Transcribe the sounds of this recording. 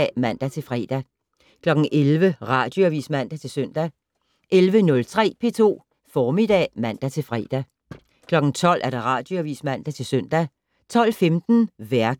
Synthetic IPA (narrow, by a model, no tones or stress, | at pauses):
mæn̰d̥æt͡sʰe̝lfʁɛ̰d̥æ | kʰlɒ̽ɡ̥n̩ʔelʋəʁɑ̈d̥jo̝æʋḭsmæn̰d̥æt͡sʰe̝lsøn̰d̥æ | ʔelʋənɔ̽lt͡sʰʁɛ̰ːpʰe̝t͡sʰo̝̰ː | fɒːmid̥ɛ̰ːmæn̰d̥æt͡sʰe̝lfʁɛ̰ːd̥æ | kʰlɒ̽ɡ̥n̩t͡sʰɒ̽l̰ʔæɐɾ̥ɑ̈ʁɑ̈ːd̥joæʋḭːsmæn̰d̥æt͡sʰe̝lsœn̰d̥æ | t͡sʰɒ̽l̰femd̥n̩ʋæɐɡ̥